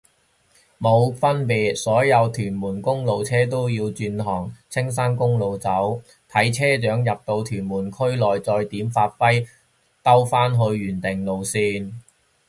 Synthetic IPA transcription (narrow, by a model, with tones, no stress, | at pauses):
mo˨˧wfɐ˥npiː˨˧t̚sɔː˨˥jɐ˨˧wt̪ʰyː˨˩nmuː˨˩nkʊ˥ŋlo˨wt͡sʰɛː˥t̪o˥wjiː˧wt͡ʃyː˧nɦɔː˨˩ŋt͡sʰɪ˥ŋs̬aː˥nkʊ˥ŋlo˨˧wt͡sɐ˨˥w | t̪ʰɐ˨˥jt͡sʰɛː˥t͡ʃœː˨˥ŋjɐ˨p̚t̪o˧wt̪ʰyː˨˩nmuː˨˩nkʰɵ˥ɥlɔː˨jt͡sɔː˧jt̪iː˨˥mfaː˧t̚fɐ˥j | t̪ɐ˥wfaː˥nɦɵ˧ɥːyː˨˩nt̪ɪ˨˩ŋlo˨wsiː˧n